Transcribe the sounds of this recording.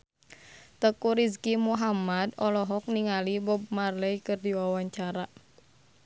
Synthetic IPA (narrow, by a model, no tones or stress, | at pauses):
t̪əkuɾiskimuɦamad̪ɔlɔɦɔk̚niŋalibɔb̚marləjkɨrdiwawaɲt͡ʃaɾa